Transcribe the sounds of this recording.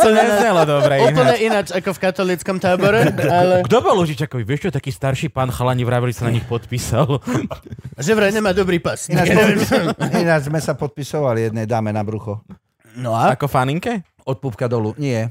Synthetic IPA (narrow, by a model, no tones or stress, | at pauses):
t̪ɔɲɛzɲɛlad̪ɔbɾɛuːnpl̩ɲɛʔinat͡ʃakɔfkat̪ɔliːt͡skɔmt̪aːbɔɾɛalɛɡd̪ɔbɔlˠuʒit͡ʃakɔʋiʋɪɛʃt͡ʃɔt̪akiːst̪aɾʃiːpaːnxalaɲiʋɾaːʋilisanaɲixpɔt̪pisal | ʒɛʋɾɛjɲɛmaːd̪ɔbɾiːpasina | inad͡ʒzmɛsapɔt̪̚pisɔʋalijɛd̪nɛjd̪aːmɛnabɾuxɔ | nɔaakɔfaniŋkɛ | ɔt̪̚pupkad̪ɔluɲɪɛ